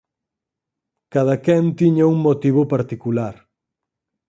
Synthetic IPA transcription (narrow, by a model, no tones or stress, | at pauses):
kað̞akɛnt̪iɲauŋmot̪iβʊpaɾt̪ikulaɾ